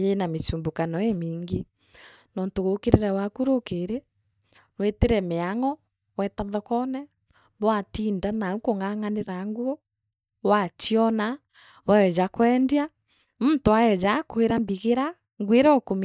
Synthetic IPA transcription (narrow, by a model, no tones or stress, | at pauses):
enamet͡ʃuːmbokanɔemiːŋɡe | nɔːntoɣokeɾeɾɛwakuɾokeɾe | nweteɾɛmeaŋɔ | wɛtaðɔkɔnɛ | βwatiːndanaukoŋaŋaneɾaŋɡwo | wat͡ʃiɔna | wɛɛd͡ʒakwɛndia | muntoaɛd͡ʒakoeɾambiɣeɾa | ŋɡweɾɛɔkom